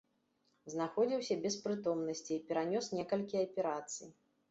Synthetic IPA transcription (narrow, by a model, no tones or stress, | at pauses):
znaxɔd͡zʲiwsʲɐbʲɛspɾɨt̪ɔmnɐsʲt͡sʲiːpʲɛɾanʲɔsnʲɛkɐlʲkʲiɐpʲɛɾat̪sɨji